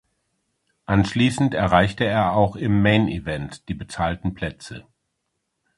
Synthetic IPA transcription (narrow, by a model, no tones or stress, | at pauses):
ʔanʃliːsn̩tɛɐʁaɪçtəeːɐaʊxɪmːeɪnivɛntd̥iːbət͡saːltn̩pʰl̥ɛt͡sə̰